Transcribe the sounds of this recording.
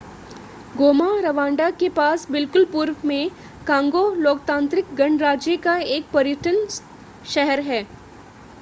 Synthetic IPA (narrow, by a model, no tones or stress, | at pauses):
ɡoːmaɾɐʋãːɳɖakepaːsbɪlkʊlpʊɾʋmẽ | kãːŋɡoloːk̚t̪ãːnt̪ɾɪkɡɐ̃ɳɖɾaːd͡ʒjəkaeːk̚pɐɾjəʈʰən | ʃɛɦɛɾɦɛː